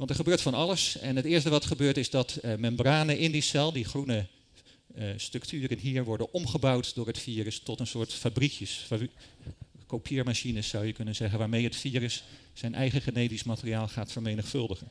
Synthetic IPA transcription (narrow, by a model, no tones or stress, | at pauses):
ʋɑntɛɹχəbøːɹtfɑnɑləsɛnɦətɪːɹstəʋɑtχəbøːɹtɪzdɑtmɛmbraːnəʔɪndisɛlˠdiχrunə | strɵktʰyːrənɦiːɹʋɔɹdənɔmχəbʌwtdʊːɹətfiːrəstɔtənsʊːɹtfabrikjəs | kopʰiːɹmaʃinəsːʌwjəkɵnənzɛχənʋaːɹmejɦətfiːrəs | sɛjnʔɛ̰jχəχenejtismatəriaːlˠχaːtfəɹmejnəχfɵlˠdəχən